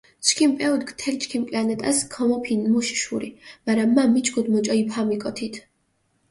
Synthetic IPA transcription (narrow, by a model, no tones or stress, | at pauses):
t͡ʃʰkʰimpʼɛud̪ɡt̪ʰɛlt͡ʃʰʼkʰimkʼlianɛt̪ʼaskʰɔmɔpʰinmuʃi̥ʃuɾimaɾamːamːit͡ʃʰʼkʰud̪mɔt͡ʃʼɔipʰamikʼɔt̪ʰit̪ʰ